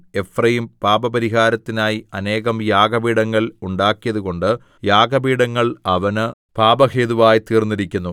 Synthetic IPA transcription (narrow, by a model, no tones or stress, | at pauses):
e̞frɐjimpaːbɐbɐɾiɦaːɾɐt̪ːinaːjiɐne̞ːɣɐmjaːɡɐbiːɽɐŋːɐɭuɳɖaːkːijɐðuɣo̞ɳɖɨ | jaːɡɐbiːɽɐŋːɐɭɐʋɐnɨpaːbɐheːðuʋaːjit̪iːrnːiɾikʲːunːu